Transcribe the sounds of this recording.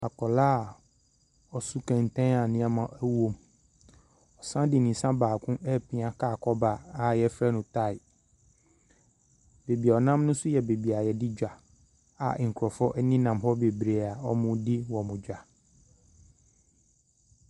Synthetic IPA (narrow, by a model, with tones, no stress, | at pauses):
a˨kʰɔ˨laː˦˨ | ɔ˨su˦kʰɛ̃˨n˨tʰɛ̃˦a˨nɪ̃˦a˦mã˨ʔɛ˦wõ˦m | ɔ˨sã˦dɪ˨nĩ˨sã˦baː˨kʰʊ̃˦ʔɛ˦˨pʰĩ˨˦ã˨ka˦˨kʰɔ˦ba˨a˨jɛ˦fɾɛ˦nʊ̃˨ta˦˨ɪ˨ | be˨bi˨ɔ˨nã˦m˦nʊ̃˦sʊ˦jɛ˨be˨bi˨a˨jɛ˨dɪ˦d͡ʑᶣa˨ | a̰˨ʔŋ̩˨kʰɾɔ˨fɔ˦ʔɛ˦nĩ˦nã˨mɦɔ˦be˨bɾe˨a˨ɔ˦mʊ̃˦di˦wɔ˨mʊ̃˨d͡ʑᶣa˨